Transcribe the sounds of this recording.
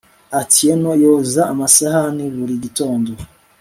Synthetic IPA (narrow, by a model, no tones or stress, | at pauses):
atʰijenojozaːmasahaniβuɾiɟitoːndo